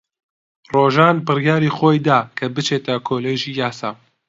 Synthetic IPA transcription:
roːʒaːnbɨrjaːɾiːxoːjd̪aːkʰɐbɨt͡ʃeːt̪ʰɐkʰoːleːʒiːjaːsaː

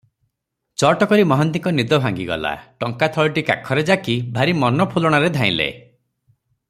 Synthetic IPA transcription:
t͡ʃɔʈɔkɔɾimɔɦɔnt̪iŋkɔnid̪ɔbʱaŋɡiɡɔ̰la̰ʈɔŋkat̪ʰɔɭʈika̰kʰɔɾed͡ʒakibʱaɾimɔnɔpʰulɔɽ̃aɾed̪ʱãĩlḛ

